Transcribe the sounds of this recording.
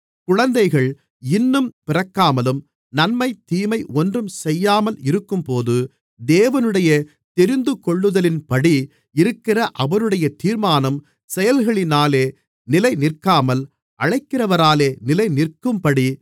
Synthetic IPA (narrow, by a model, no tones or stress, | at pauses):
kʊɻɐnd̪ɐɪɣɐɭ | ɪnːɯmpɪrɐkːaːmɐlɯm | nɐnmɐɪt̪ːiːmɐɪʔɔndrɯmsɛjːaːmɐlɪɾɯkːɯmpoːðɯ | d̪eːʋɐnɯɽɐjɐ | t̪ɛɾɪnd̪ɯkɔɭːɯðɐlɪnpɐɽi | ɪɾɯkːɪrɐʔɐʋɐɾɯɽɐjɐt̪iːɾmaːnɐm | sɛjɐlɣɐɭɪnaːleː | nɪlɐɪnɪrkːaːmɐl | ʔɐɻɐɪkːɪrɐʋɐɾaːleːnɪlɐɪnɪrkɯmpɐɽi